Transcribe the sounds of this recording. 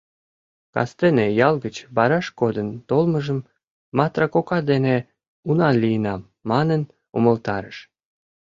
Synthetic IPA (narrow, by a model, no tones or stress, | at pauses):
kɑ̰st̪enejɑlɡət͡ɕbɑɾɑʃkod̪ənt̪olməʒəmː | ɑt̪rɑkokɑd̪ene | unɑlijənɑmːɑnən | uməlt̪ɑɾə̰ʃ